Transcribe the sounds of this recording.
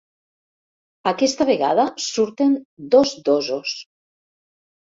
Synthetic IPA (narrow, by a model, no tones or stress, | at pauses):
akɛst̪aβ̞eɣa̰ðasuɾt̪end̪ozd̪ozos